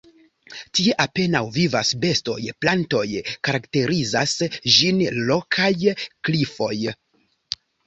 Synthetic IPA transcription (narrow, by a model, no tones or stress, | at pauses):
tie̞ʔape̞nawvivasbe̞sto̞̰jplanto̞jkaɾakte̞ɾizasd͡ʒinlokʰajklifo̞j